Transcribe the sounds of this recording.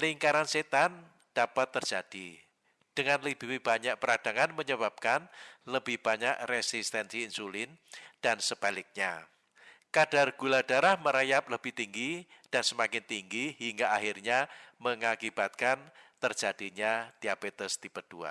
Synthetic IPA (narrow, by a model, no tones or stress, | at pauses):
liŋkaɾanset̪an | d̥apat̪ːərd͡ʒ̥ad̥i | d̥əŋanləb̥iwib̥aɲak̚pəɾad̥aŋanməɲəbap̚kanləb̥ɪhb̥aɲaʔrɛsist̪ɛnsiːnsulɪnd̥ansəbalɪk̚ɲa | kad̥arɡ̥ulad̥aɾahməɾajap̚ləb̥ɪht̪iŋɡid̥ansəmakɪnt̪iŋɡihiŋɡaːhirɲaməŋakib̥at̪̚kant̪ərd͡ʒ̥ad̥iɲat̪iabet̪əst̪ipəd̥ua̰